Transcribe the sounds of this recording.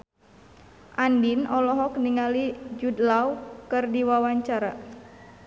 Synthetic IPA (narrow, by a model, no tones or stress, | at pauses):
ʔandinɔlɔɦɔkniŋalid͡ʒudlawkɨrdiwawaɲt͡ʃaɾa